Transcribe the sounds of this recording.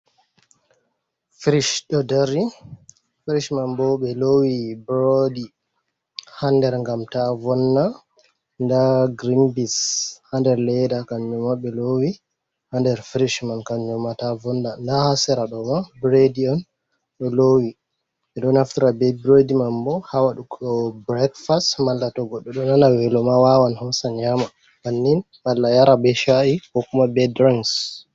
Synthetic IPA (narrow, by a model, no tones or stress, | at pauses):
fɾiʃɗɔdɛɾi | fɾiʃmambɔɓɛlowibɾodi | handɛɾŋɡamtavɔnːa | ndaɡɾimbishandɛɾlɛjdakamɲɔmaɓɛlowi | handɛɾfɾiʃmankamɲɔmatavɔndandahasɛɾaɗɔmabɾedian | ɗɔlowi | ɛɗɔnhaftiɾabɛbɾɔdimambɔhawaɗukʰɔbɾɛkfastmalːatɔɡɔɗːɔɗɔnanawɛlɔmawawanhɔsaɲama | manːin | malːajaɾabɛʃaikɔkumabɛdɾaŋs